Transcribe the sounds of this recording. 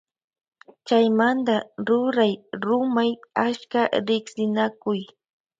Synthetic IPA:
t͡ʃajmand̪aɾʊɾajɾʊmajat͡ʃkaɾɪksɪnakʊj

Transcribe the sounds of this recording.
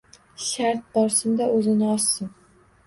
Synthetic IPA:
ʃaɾt̪̚bɒɾsɪmd̪aʔɵzɪnɪɒsːɪm

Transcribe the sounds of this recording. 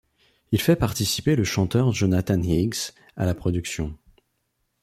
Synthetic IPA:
ilfɛpaʁt̪isi̥peləʃɑ̃t̪œʁʒonat̪ãniɡs | a̰lapχɔd̪yksjɔ̃

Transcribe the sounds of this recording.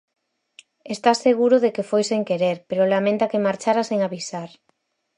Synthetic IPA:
est̪aseɣ̞uɾʊðekefojseŋkeɾeɾpeɾolamẽnt̪akemaɾt͡ʃaɾaseŋaβisaɾ

